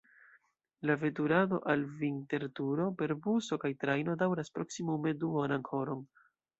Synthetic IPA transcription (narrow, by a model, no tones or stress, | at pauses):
lave̞tuɾado̞̰ʔalvinte̞ɾtuɾo̞pe̞ɾbuso̞kajtɾajno̞dawɾaspɾo̞ksimume̞duanaŋkʰo̞ɾon